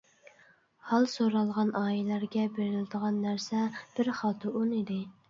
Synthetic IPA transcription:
hɑlˠsoɾɑlˠʁɑnɑːjilæɾɡʲɛbeɾɪlɪd̪əʁɑnːæɾsɛb̥ɪɾχɑːt̪ʰuʔunid̪ɪ

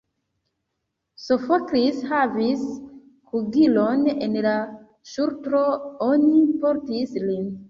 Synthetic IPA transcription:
sofokɾishavis | kuɡilonḛnla | ʃuɾtɾoonipoɾtislin

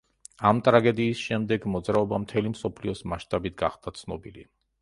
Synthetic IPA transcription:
amt̪ʼɾaɡɛd̪iːsʃɛmd̪ɛɡmɔd̪zɾaɔbamt̪ʰɛlimsɔpʰliɔsmaʃt̪ʼabit̪̚ʰɡa̰χd̪at̪sʰnɔbili

